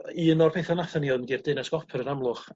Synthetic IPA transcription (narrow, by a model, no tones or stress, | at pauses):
iənɔrpʰejθanaθəniɔnɡirdɪnɛsɡ̥ɔpʰəɾənamlˠʊχ